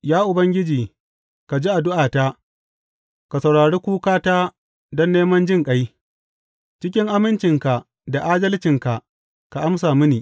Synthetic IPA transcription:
jaː˦ʔʊ˨bɐ˦ŋɡʲɪ˦d͡ʒiː˨ | ka˨d͡ʒi˦ʔa˨dʊ˦ʔaː˨ta˦ | ka˨sɐ˨wɽaː˨ɽeː˦kʷuː˦kaː˦taː˦ | dɔ˦nːeː˦mɐ˦nd͡ʒɪ˦ŋkʼɐ˦j | t͡ʃɪ˦kʲɪ˦ŋʔa˦mɪ˦nt͡ʃɪ˨ŋka˨ | da˨ʔaː˦dɐ˦lt͡ʃɪ˨ŋka˨ʔ | ka˨ʔa˦ms̬aː˨mɪ˦niː˨

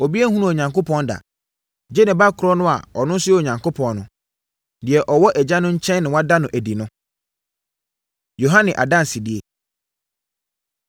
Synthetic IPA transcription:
o˨bi˦ɛ˦hũ˦nũ˦˨ɲã˨ŋko˦pʰɔ̃˦nda̰˨ | d͡ʑɛ˦nɪ̃˨ba˦kʰʊ˨ɾɔ˦nʊ̃˦a̰˨ɔ˨nʊ̃˦n̩˦sʊ˦o˨ɲã˨ŋko˦pʰɔ̃˨nnʊ̃˨ | dɪ˨ɛ˨ʔɔ˨wɔ˦ʔɛ˨d͡ʑa˦nʊ̃˦ɲ̩˦t͡ɕʰɛ̃˦nː˦ɪ̃˨wa˦da˦nʊ̃˨ʔæ˨di˨nʊ̃˦ | jo˨ɦã˦nɪ̃˨ʔa̰˨dã˦n˨si˨dɪ˨e˨

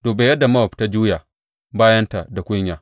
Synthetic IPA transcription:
d̥oː˨be˨jɐ˦da˨ma˦˨pta˦d͡ʒuː˦ja˨ | baː˦jɐ˦nta˨da˨kʷʊ˦ɲjaː˨

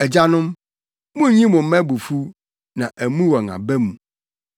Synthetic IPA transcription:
ɛ˨d͡ʑa˦nʊ̃˦m | mʊ̃˦ɲĩ˦mʊ̃˨m̩˦mɛ̃˦bu˨fu˦ | nã˨ʔæ˨mũ˦wɔ˨ŋã̰˨bɛ˦mũ˨

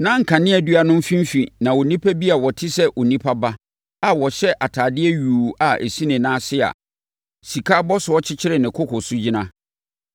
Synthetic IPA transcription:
nã˦ŋ̩˨kʰã˨nɪ̃˦ɛ˨dɥa˨nʊ̃˦m˦fĩ˦m̩˦fi˨nã˨wo˨nĩ˦pʰa˦bi˦a˨wɔ˨tʰɪ˦sɛ˦ʔo˨nĩ˦pʰa˦ba˦ | a˨wɔ˨ɕɛ˦ʔa˨tʰaː˨dɪ˦ɛ˦ɥuː˨a˨ʔe˨sĩ˦nɪ̃˨nãː˦sɪ˦a̰˨ | si˨kʰa˦bɔ˦sʊ˨ɔ˦t͡ɕʰɪ˦t͡ɕʰɪ˦ɾɪ˨nɪ̃˨kʰʊ˦kʰɔ˨su˦d͡ʑi˦nã˦

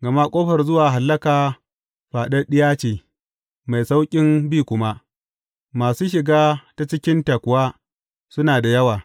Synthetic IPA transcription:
ɡɐ˨ma˦kʷʼoː˦ɸɐ˨rzʊ˦waː˨ɦa˨lːɐ˦kaː˨ | ɸaː˨ɗɐ˦rɗɪ˦jaː˦t͡ʃeː˨ | ma˨jsa˦wkʲʼɪ˦mbiː˦kʷʊ˦ma˦ | maː˨suː˦ʃ̬ɪ˨ɡaː˦ta˦t͡ʃɪ˦kʲɪ˦nta˨kʷʊ˨waː˦ | sʊ˦naː˨da˨jɐ˦waː˨

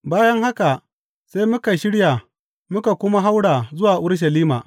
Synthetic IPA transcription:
baː˦jɐ˦ŋha˦ka˨ | sa˦jmʊ˦ka˨jʃɪ˦ɽja˨ | mʊ˦ka˨kʷʊ˦ma˦ɦa˦wɽaː˨zʊ˦waː˨ʔʊ˦ɽʃ̬ɐ˨liː˦maː˨

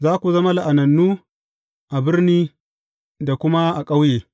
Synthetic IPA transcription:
zaː˦kʷu˨zɐ˦ma˦la˨ʔa˨nɐ˨nːuː˦ | ʔa˨bɪ˦rniː˦ | da˨kʷʊ˦ma˦ʔa˨kʼa˦wjeː˨

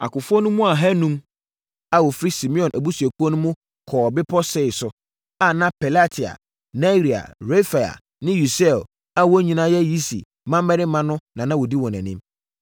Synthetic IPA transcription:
a̰˨kʊ˨fʊ˦ɔ˦nʊ̃˦mʊ̃˦a˨ɦæ˦nũ˦m | a˨wɔ˨fɾi˦si˨mĩ˦ɔ̃˨nʔæ˨bu˦su˨æ˨kʰu˦ɔ˦nʊ̃˦mʊ̃˦ | kʰɔː˨bɪ˦pʰɔ˦sɛ˦˨ɪ˨sʊ˨ | a˨nã˦pʰɛ˨la˦tʰi˨a̰˨ | na˦˨ɾi˨a̰˨ɾe˦fa˨a̰˨ | nɪ̃˦ju˨sɛ˦˨l | a˦wɔ˦ɲĩ˨nã˦jɛ˦ji˦sḭ˨ | mã˦m˦mɛ˦nɪ̃˦mːã˦nʊ̃˦nã˨nã˦wɔ˨di˦wɔ̃˨næ̰̃˨nɪ̰̃˦m

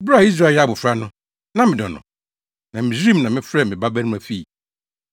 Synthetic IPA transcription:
bɾa˦˨i˦s̬ɾa˦˨˦a˨bʊ˨fɾa˦nʊ̃˦ | nã˦mɪ̃˨dɔ˨nʊ̰̃˨ | nã˨mɪ̃˨ɾĩ˦mnã˨mɪ̃˦fɾɛ˦mɪ̃˨ba˦bɛ˦nʊ̃˦mæ˨fi˦˨

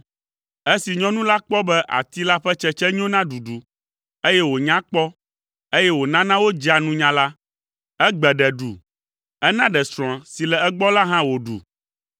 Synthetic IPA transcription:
e˦si˨ɲɔ̃˦nũ˦la˦k͡pɔ˦bɛ˦ʔa̰˨t̪i˦la˦ɸɛ˦t͡ʃɛ˦t͡ʃɛ˦ɲ˦õ˦nã˦ɖu˨ɖu˨ | e˦jɛ˦wo˨ɲã˦k͡pɔ˦ | e˦jɛ˦wo˨nã˦nã˦wo˦d͡ʒi˦a˨nũ˦ɲã˦la˦ | ɛ˦ɡ͡bɛ˨ɖɛ˨ɖu˨ | ɛ˦nã˦ɖɛ˨sɾ̃ɔ̃˨si˨lɛ˨ɛ˦ɡ͡bɔ˦la˦ɦã˦wo˨ɖṵ˨

